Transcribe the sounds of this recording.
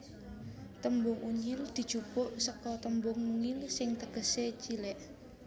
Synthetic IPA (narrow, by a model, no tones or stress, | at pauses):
t̪əmbʊŋʔuɲɪld̪̥i̤̥d͡ʒ̥upʊʔsəkɔt̪əmbʊŋnuŋɪlsɪŋt̪əɡ̥ə̤set͡ʃilɛʔ